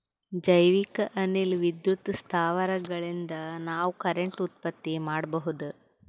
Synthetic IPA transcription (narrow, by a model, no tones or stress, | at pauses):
d͡ʒɐjʋikɐʔɐnilʋid̪jut̪st̪ʰaːʋɐɾɐɡɐɭind̪ɐnaːʋukɐɾeɳʈut̪̚pɐt̪ːimaːɽbɐɦud̪u